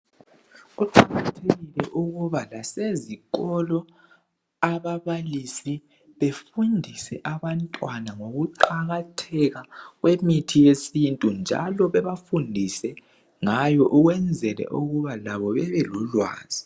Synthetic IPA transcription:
uǃʰaɣatʰeɣilɛʔuɣuβalaseziɣɔlɔ | aβaβalisi | βefundʱisɛʔaβantʼwanaŋoɣuǃaɣatʰɛɣaɣwemitʰijesintʼund͡ʒʱa̰lɔβɛβafundʱisɛ | ŋajɔʔuɣwɛnd͡zʱɛlɛ̰ʔuɣuβalaβɔβɛβɛlulwa̰ːz̥i

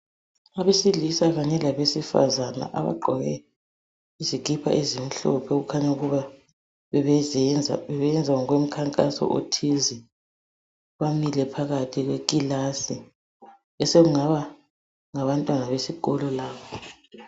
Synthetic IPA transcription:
aβesilisaɣaɲɛlaβesifa̰zana̰ʔa̰βa̰ɡ͡ǃʱɔɣɛ | izik̬ʼipʰa̰ʔizim̩ɬɔ̰pʰɛɣukʰaɲauɣuβa | βɛβ | ɛβɛjɛnd͡zʱawŋwem̩kʰaŋkʼasɔ̰ʔo̰tʰizi | βamilɛpʰaɣatʰiɣwekʼilasi | ɛseɣuŋaβa | ŋaβantʼwanaβesiɣɔlɔlaːβɔ

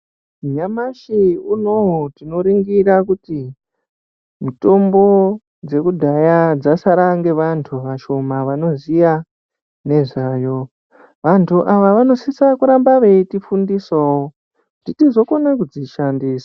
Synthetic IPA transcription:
ɲamaʃiunotino̞ɾiŋɡiɾakuti | mito̞mbo̞ | d͡ze̞kudʱajad͡zasaɾaŋɡe̞ʋantʰuʋaʃo̞maʋano̞zija | ne̞ʐaːjo̞ | ʋantʰuʔaʋaʋano̞sisakuɾambaʋe̞itifundisoo | ʐ̥itizo̞konakud͡ziʃandiːsḁ

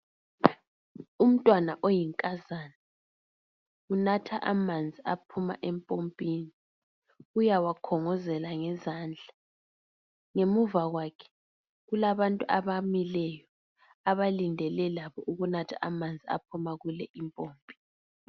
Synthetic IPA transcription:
um̩tʼwanaʔojiŋkʼazana | unatʰaʔamand͡zʱiapʰuma̰ʔɛmpʼompʼiːni | ujawakʰɔŋɔzɛlaŋɛzaːnd͡ɮʱa | ŋemuvaɣwakʰɛ̥ | ɣulaβantʼuʔaβamilɛjɔ | aβalindʱɛlɛlaβɔʔuɣunatʰaʔamand͡zʱia̰pʰumaɣulɛʔimpʼoːmpʼi̥n

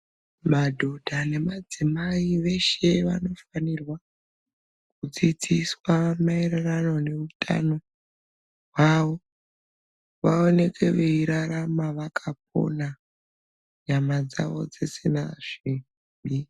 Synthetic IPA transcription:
madʱo̞dʱane̞mad͡zimaiʋe̞ʃe̞ʋa̰no̞fanirwa | kud͡zit͡siswamaererano̞ne̞utʰa̰no̞ | ɦwaʋo̞ | ʋao̞ne̞kʰe̞ʋeiɾaɾamaʋakʰap̚o̞̰na | ɲamad͡za̰ʋo̞̰d͡zesena̰ʐ̥i | i

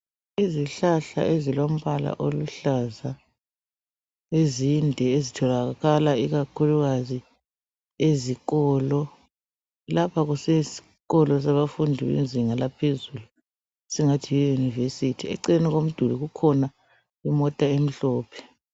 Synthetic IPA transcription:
iziɬaɬa̰ʔezilom̩βala̰ʔoluɬaza | ezindʱɛezitʰɔlaɣalaiɣakʰuluɣazi | eziɣɔːlɔ | lapʰaɣusɛsi̥ | ɣɔlɔs̬aβafundʱiβḭnzʱiŋalapʰezulu | siŋatʰijɛjunivesitʰiɛ̰ǀiniɣom̩d̥ʱuliɣukʰɔna | imɔtʼaem̩ɬɔːpʰɛ̥

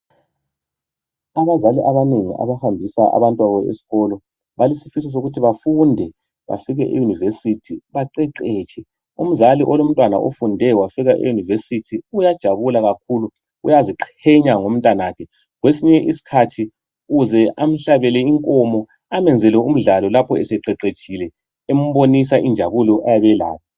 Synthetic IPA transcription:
aβazaliʔaβaneŋḭʔa̰βahambʱisaʔa̰βantʼwaβɔḛsi̥ɣɔlɔ | βalisifis̬ɔs̬oɣutʰiβafundʱɛ | βa̰fiɣɛʔḛjunivesitʰiβaǃɛǃɛːt͡ʃʼʰɛ | um̩zaliʔɔlom̩tʼwana̰ʔo̰fundʱɛwafiɣaʔḛjunivesitʰiujad̥ʒ̥ʱaβulaɣakʰulu | ujaziǃʰɛɲaŋom̩tʼwanakʰɛ | ɣwesiɲɛʔisi̥kʰatʰi | ɣuzɛʔam̩ɬaβɛlɛiŋkʼɔmɔ | amɛnd͡zʱɛlɛum̩ɮalɔlapʰɔɛsɛǃɛǃet͡ʃʼʰilɛ | em̩βonis̬aʔind͡ʒʱaβulɔʔajaβɛla̰ːjɔ

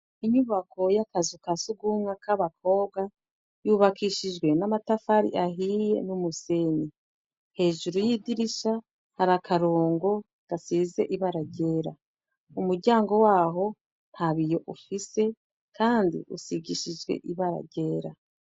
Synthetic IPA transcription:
iɲuβakʰo̞jakazukasuɡuːmŋakaβakʰo̞ːβɡa | juβakiʃid͡ʒɡwe̞namatafaɾḭʔaɦije̞̰numuseni | he̞ːʒuɾujidiɾiʃa | haɾakʰaɾoːŋɡo̞ | ɡ̥asize̞̰ʔiβaɾaɟe̞ːɾa | umuɾɟaːŋɡo̞waːɦo̞ | n̥haβijo̞ʔufise̞ | kʰaːndḭʔusiɟiʃid͡ʒɡwe̞̰ʔiβaɾa̰ɟe̞ːɾa

